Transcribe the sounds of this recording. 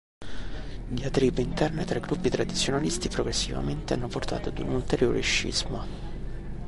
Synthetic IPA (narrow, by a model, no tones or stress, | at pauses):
d̪iat̪ɾiːpeint̪ɛrnet̪ɾeɡɾupːit̪ɾad̪it̪sːjonalist̪ipɾoɡɾesːiva̰ment̪ea̰nːoport̪a̰ːt̪oad̪unult̪eɾjoːɾʔḛʃːḭzmo